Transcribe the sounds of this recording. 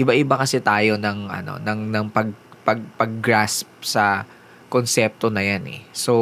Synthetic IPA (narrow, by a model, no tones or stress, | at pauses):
ʔɪbaʔɪbakɐsɛt̪aːjo̞nɐŋʔɐ̰no̞̰nɐŋnɐŋpɐɡ̚pɐɡ̚pɐɡ̚ːɾasp̚sɐ | konsɛp̚t̪o̞nɐjanʔɛ̰so